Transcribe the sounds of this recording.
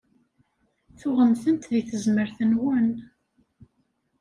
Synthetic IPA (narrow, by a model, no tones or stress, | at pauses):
θʊʁəmθənt̪ðiθəzməɾθənwən